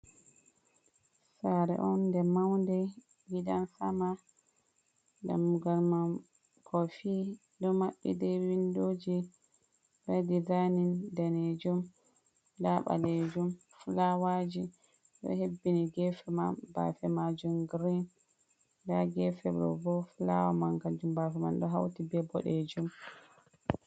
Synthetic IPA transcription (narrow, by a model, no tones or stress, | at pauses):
saɾɛ̰ʔɔndɛmawndɛ | ɡiɗansama | da̰mːuɡalmam | kʰɔfiː | dɔmaɓːḭdɛwindod͡ʒi | bɛdizanindaned͡ʒum | daɓa̰lɛd͡ʒum | fulawad͡ʒi | ɗɔ̰hebːiniɡɛfɛmanba̰fɛmad͡ʒumɡɾin | daɡɛfɛbɔ̰bɔfula̰wamaŋkad͡ʒumbafɛma̰nɗɔɦa̰wtibɛbɔ̰ɗed͡ʒum